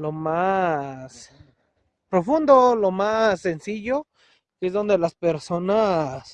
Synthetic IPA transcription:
lo̞ma | s | pɾo̞fund̪olo̞masːe̞nsiʝo̞ | keezðo̞nd̪e̞laspeɾso̞nas

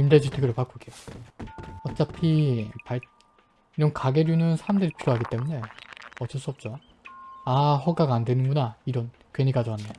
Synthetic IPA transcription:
imded͡ʑitʰeɡɯɾɯpak͈uɡeo | ʌt͡ɕ͈apʰipaɭ | iɾʌnkaɡeɾjunɯnsʰaɾamdɯɾipʰiɾjoɦaɡit͈e̞mune̞ʌt͡ɕ͈ʌs͈uʌp̚t͡ɕ͈o | aɸʌɡaɡaːndwe̞nɯnɡunaiɾʌn | kweɲiɡ͈ad͡ʑoɦanːe

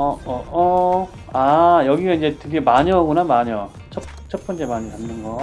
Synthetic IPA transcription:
ʌʌʌ | ajʌɡiɡaind͡ʑe̞tʰɯɡe̞maɲʌɡʌnamaɲʌ | t͡ɕʰʌ | t͡ɕʰʌt̚p͈ʌnt͡ɕ͈e̞maɲikamnɯnɡʌ

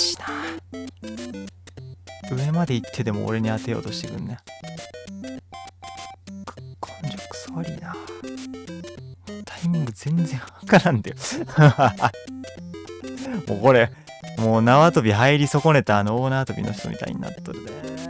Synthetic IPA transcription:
ɕi̥na | ɯ̟e̞mad̪e̞it̪ʰːe̞d̪e̞mo̞̰o̰ɾe̞ɲ̟iat̪ejo̞̰ːt̪o̞ɕi̥t̪eɡɯ̟̃nːe | kkʰõnd͡ʑokɯ̥soaɾʲij̪a | t̪ʰaimʲĩŋɡɯ̟zẽ̞nzẽ̞ɰ̃βakaɾãnd̪ajoa | mo̰ːko̞ɾe̞ | moːnaat̪o̞bʲiɦaiɾʲiso̞ko̞ne̞t̪aːnooːnaːt̪o̞bʲḭno̞çi̥t̪o̞̰mʲḭt̪a̰ḭɲ̟ḭna̰t̪ːoɾd̪a

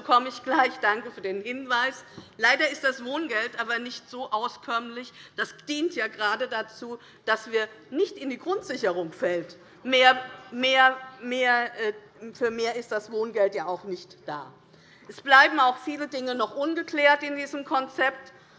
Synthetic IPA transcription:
okʰɔməɪçɡ̥laɪçd̥aŋkəfyːɐdeːnhɪnvaɪslaɪdɐɪst̚d̥asv̥oːnɡɛltʔaːbɐnɪçtz̥oːʔaʊskʰœɐmlɪçd̥asd̥iːntjaːɡəʁaːdədat͡suː | d̥asv̥iːɐnɪçtɪndiːɡʁʊntz̥ɪçəʁ̞ʊŋfɛlt | meːɐmeːɐmeːɐɛ | fyːɐmeːɐɪstd̥asv̥oːnɡɛltjaːaʊxnɪçtd̥a̰ː | ʔɛsb̥laɪbm̩aʊxfiːlədɪŋənɔχʔʊnɡəkl̥ɛːɐtɪndiːzəmkʰɔnt͡sɛp̚t

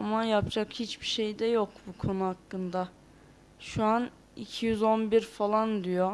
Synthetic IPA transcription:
amajapd͡ʒakhit͡ʃbiʃe̞jd̪ɛjokbukʰo̞nuɦakːɯnd̪a | ʃuan | ḭcʰijyzo̞nbiɾfalˠand̪ijo

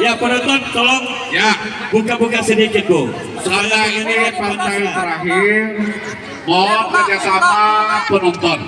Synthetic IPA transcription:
japənɔnt̪ɔnt̪ɔlɔŋ | jabukabukasədikɪt̪̚bo | sajaŋinipat͡ʃajat̪əɾaɦɪr | mɔkad͡ʒakapapənɔnt̪ɔn

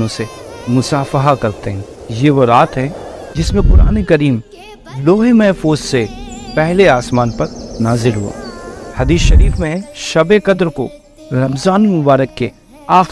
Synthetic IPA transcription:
õsemʊsaːfəɦakɐɾt̪eɦɛ̃ː | jeʋoɾaːt̪ɦɛ̃d͡ʒɪsmẽkʊɾaːnekɐɾiːm | loːɦemɛɦfuːzsepɛɦleaːsmaːnpɐɾnaːzɪlɦuo̰ːhɐd̪iːsʃɐɾiːfmẽʃɐbekɐd̪ɾko̰ | ɾɐmzaːnimʊbaːɾəkːe | aː

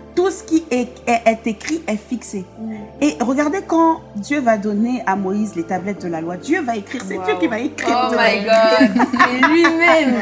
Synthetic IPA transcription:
t̪usə̥kʲiɛɛʔɛt̪ekχiʔɛfikseeʁəɡaʁd̪ekɑ̃d̪jøvad̪ɔneʔamɔizlet̪ablɛt̪̚d̪əlalwad̪jøvaekχiʁset̪ykʲivaekχid̪əmaɡ | ɥimɛm

